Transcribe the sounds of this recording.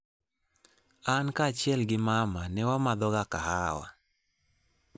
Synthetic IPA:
ankat͡ʃjɛlɡɪmamanɛwamad̪ɔɡakahawa̰

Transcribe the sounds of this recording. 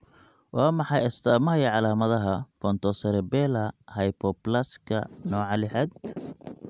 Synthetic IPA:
wɑːmɑħɑjɐst̪ʰaːmɐɐjʕɑlaːmɐðɐɦɐpʰɔnt̪ʰɔsɐɾɛbɛlɐhɐjpʰɔplɐskʰɐ̰nɔːʕɑlɪħɛd̪

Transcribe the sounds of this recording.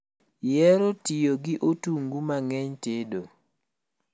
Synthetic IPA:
jɛɾotijoɡɪʔotuŋɡumaŋɛɲtedo

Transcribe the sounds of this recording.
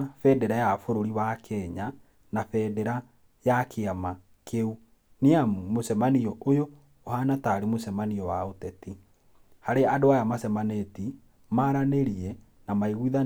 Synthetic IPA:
fɛdɛɾajafoɾoɾiβakʰɛɲa | nafɛdɛɾa | jakʰeama | kʰeu | neamosɛmaniɔojoː | hanataɾemosɛmaniɔwaotɛti | haɾeadoajamasɛmaneti | maɾaneɾiɛ | namaiɣuiða

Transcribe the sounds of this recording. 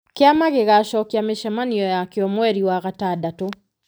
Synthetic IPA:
keamaɣeɣaʃɔkiameʃɛmaniɔjakeɔmwɛɾiwaɣatadato

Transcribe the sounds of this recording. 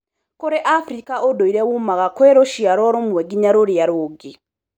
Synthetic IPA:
koɾeʔafɾikaodoiɾɛwumaɣakweɾoʃiaɾɔɾomwɛɡiɲaɾoɾjaɾoɡe

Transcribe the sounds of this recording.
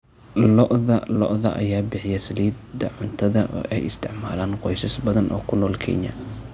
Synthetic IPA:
lɔʔðɐ̰lɔ̰ʔðɐ̰ʔɐ̰jaːbɪħɪjɛsɐliːd̪ɐʕʊnt̪ʰɐðɐʔːʔɛjɪst̪ʰɪʕmaːlaːnqɔjsɐsbɐðɐnʔɔ̰ːkʰʊnɔːlkʰɛ̰ɲɐ̰

